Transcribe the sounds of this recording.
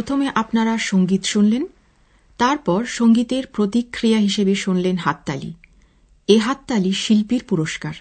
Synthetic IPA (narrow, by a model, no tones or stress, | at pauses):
ot̪ʰomeʔapnaɾaʃoŋɡit̪ʃunlen | t̪aɾpɔɾʃoŋɡit̪eɾpɾot̪ikʰːɾijaɦiʃebeʃunlenɦat̪ːalḭ | eɦat̪ːaliʃilpiɾpuɾoʃkaɾ